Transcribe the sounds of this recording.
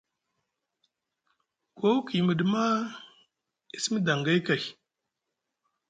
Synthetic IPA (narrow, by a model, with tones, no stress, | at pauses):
ko˦wki˨mə˨dma˦ | i˨si˦mə˦da˨ŋɡa˦i˦ka˨j